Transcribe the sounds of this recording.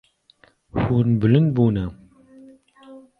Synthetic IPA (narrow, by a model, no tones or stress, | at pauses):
hunbɨlɨnbuːnɐ